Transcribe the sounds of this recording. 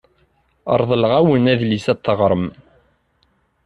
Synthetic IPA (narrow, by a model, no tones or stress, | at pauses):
ə̰ɾˤðˤəlʁæwənæðlisæt̪ˤːəʁɾˤəm